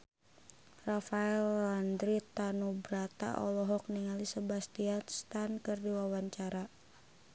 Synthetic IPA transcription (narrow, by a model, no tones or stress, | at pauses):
rafaɛlːand̪ɾit̪anubɾat̪a̰ʔɔ̰lɔɦɔk̚niŋalisəbast̪ianst̪ankɨrdiwawaɲt͡ʃaɾa